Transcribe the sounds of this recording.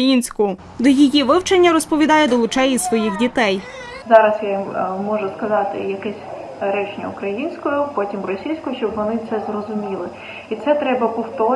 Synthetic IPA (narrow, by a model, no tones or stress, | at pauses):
jinʲsʲkʊʊ | d̪ɔjijiʋɪwt͡ʃɐnʲːɐɾɔspɔʋʲid̪ɑjɛd̪ɔlˠʊt͡ʃɛjisʋɔjixdʲit̪ɛj | zɑɾɐsjamɔʒʊskɐzɑt̪ɪ̰jɐkɛsʲ | ɾɛt͡ʃnʲɐ̰ʊkɾɐjinʲsʲkɔjʊpɔtʲimrɔsʲijsʲkʊʃt͡ʃɔbʋɔnɪt̪sɛzrɔzʊmʲilˠɪ | it̪sɛt̪ɾɛbɐpɔwt̪ɔ